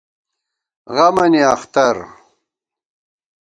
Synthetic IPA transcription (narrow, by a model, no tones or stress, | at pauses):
ʁɐmɐniɐχt̪ɐɾ